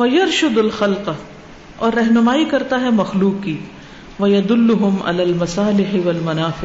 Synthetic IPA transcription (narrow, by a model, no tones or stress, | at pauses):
ʋɐjɐɾʃʊd̪ɐlxɐlq | ɔːɾːɐɦnʊmaːikɐɾt̪aɦɛmɐxluːqːiː | ʋɐjɐd̪ʊlːʊɦʊma̰laːlmɐsaːlɪħɪʋɐlmɐnaːfɪ